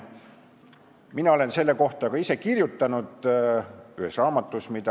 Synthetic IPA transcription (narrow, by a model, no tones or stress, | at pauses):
minɑo̞le̞nse̞lːe̞ko̞ht̪ɑkɑise̞kirjut̪ːˑɑnud̪̥ | yhesrɑːmɑt̪ːˑusmid̪ɑ